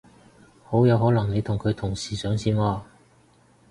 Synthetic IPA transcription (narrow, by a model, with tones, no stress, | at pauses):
ho˨˥wjɐ˨˧wɦɔː˨˥lɐ˨˩ŋne˨˧jt̪ʰʊ˨˩ŋkʰɵ˨˧ɥt̪ʰʊ˨˩ŋsiː˨˩sœː˨˥ŋsiː˥nɔː˧